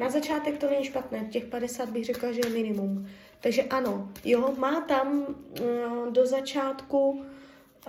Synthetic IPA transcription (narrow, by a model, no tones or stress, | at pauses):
nazat͡ʃaːt̪ɛk̚t̪o̞nɛɲiːʃpat̪nɛːcɛxpadɛsaːd̪̚bɪɣr̝ɛklaʒɛjɛmɪnɪmum | t̪aɡʒɛʔano̞jomaːt̪am | do̞zat͡ʃaːt̪ku